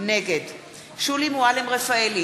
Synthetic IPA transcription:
neɡed | ʃulimualemʁefaeli

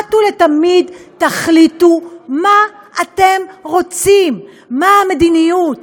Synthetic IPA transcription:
tule̞tamidtaχlituma | ate̞mʁo̞t͡simː | aamed̪inijut

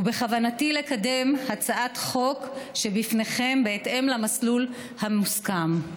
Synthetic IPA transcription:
ube̞χavanatile̞kade̞mhat͡saʔatχo̞kʃe̞bifneχe̞mbeːtʔe̞mlamaslul | hammuskam

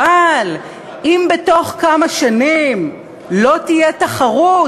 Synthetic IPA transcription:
al | imbeto̞χkamaʃanim | lo̞t̪ije̞t̪aχaʁu

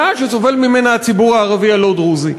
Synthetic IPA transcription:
aʃesove̞lmime̞naːt͡sibuʁaːʁavialod̪ʁuzi

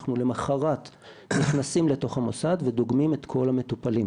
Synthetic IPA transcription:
χnule̞maχaʁat̪ | niχnasimle̞to̞χhamo̞sad̪ve̞d̪oɡmime̞t̪kʰo̞lame̞t̪upalim

